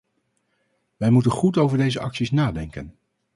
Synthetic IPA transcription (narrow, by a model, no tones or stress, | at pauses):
ʋɛjmutənχutowvəɹdejzəʔɑ̰ksisnaːdɛŋkən